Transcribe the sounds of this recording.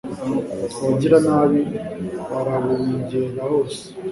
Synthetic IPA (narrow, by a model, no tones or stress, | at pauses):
waɟiɾanaβiwaɾaβuɾiːɟienahoːse̥